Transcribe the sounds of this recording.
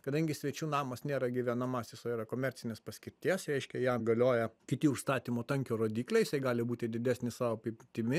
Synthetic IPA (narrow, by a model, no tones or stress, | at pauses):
kɐd̪ɐŋʲɡʲɪsʲʋʲɛt͡ʃʲuːnɑːmɐsnʲeːɾɐɡʲɪʋʲɛnɐmɐsjʲɪsoiɾɐkoːmʲɛɾʲt͡ssʲɪnʲeːspɐsʲkʲɪɾʲt̪ʲiɛsɾʲɛɪʃʲkʲɛjɛɡɐlʲoːjɛkʲɪt̪ʲɪʊʃst̪ɑːt̪ʲiːmoːt̪ɐŋʲkʲoːɾoːd̪ʲiːklʲɛɪjɪsɐɪɡɑːlʲɪbuːt̪ʲɪd̪ʲɪd̪ʲæsʲnʲɪsɑːʋoːpʲɪpʲt̪ʲɪmʲɪ